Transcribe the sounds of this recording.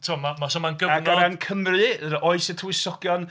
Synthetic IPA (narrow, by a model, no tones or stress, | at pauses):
tʰuɔmamasɔmanɡəanɡaɾɛnkʰəmrɨəɾʔɔɨsɛtʰuɪsɔɡ̥jɔn